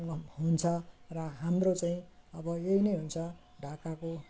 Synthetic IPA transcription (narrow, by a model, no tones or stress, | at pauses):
ŋʌɦunt͡sʰʌrʌɦamrot͡saĩʌbʌeinʌjɦunt͡sʰʌ | ɖʱakako